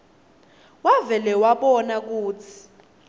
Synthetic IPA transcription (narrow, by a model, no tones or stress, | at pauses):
wavɛlɛwaɓɔnak̬uːt͡sʰi̥